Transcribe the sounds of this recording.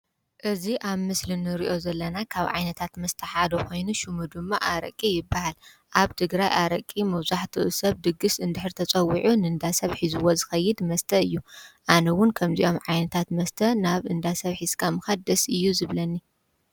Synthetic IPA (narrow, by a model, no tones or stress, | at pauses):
ʔɨziʔaβmɨslɨnɨɾiʔo̞zɐlːɐnakʰaβʕa̰jnɐt̪ʰat̪mɐst̪ʰɐħad̪oko̞jnuʃumud̪ɨmːaʔaɾɐ̰kʼːijɪbːahal | ʔaβt̪ʰɨɡɾajʔaɾɐkʼːimɐβzaħt̪ʰɨʔɨsɐβd̪ɨɡːɨsɨnd̪ɨħɾt̪ʰɐt͡sʼɐwiʕunɨɨnd̪asɐβħizɨwozɨxɐjːɪd̪mɐst̪ʰɐɨjːuʔanɐwʊnkʰɐmziʔo̞mʕajnɐt̪ʰat̪mɐst̪ʰɐnaβɨnd̪asɐβħizkʰamɨxɐd̪ɐsɨjːuzɨβlɐnːi